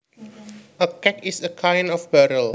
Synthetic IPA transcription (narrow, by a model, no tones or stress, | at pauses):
ʔəkɛkisəkʰãjnɔfbɛɾəl